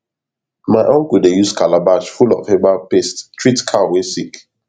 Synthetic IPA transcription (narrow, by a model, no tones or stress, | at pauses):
maɪʔɔ̃ŋkudejuskʰalabaʃfulɔ̰vhebapesttɹitkʰawesik